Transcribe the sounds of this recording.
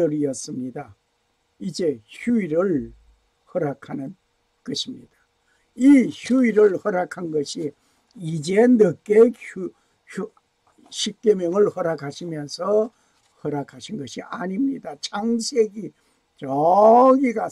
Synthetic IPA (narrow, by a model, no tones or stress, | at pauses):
ʌɾijʌs͈ɯmɲida | id͡ʑe̞çuiɾɯɭ | hʌɾakʰanɯn | kʌɕʰimɲid̥ḁ | içuiɾɯɭhʌɾakʰanɡʌɕʰi | id͡ʑenɯk͈e | u | ɕʰip̚k͈emjʌŋɯɭhʌɾakʰaɕʰimjʌnsʰʌ | hʌɾakʰaɕʰinɡʌɕʰiʔaɲimɲidat͡ɕʰaŋsʰeɡi | t͡ɕʌɡiɡa